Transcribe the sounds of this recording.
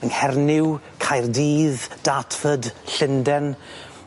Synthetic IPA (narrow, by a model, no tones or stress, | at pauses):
ənhɛrnɪw | kʰajrdiːðd̥atʰfədɬɪndɛn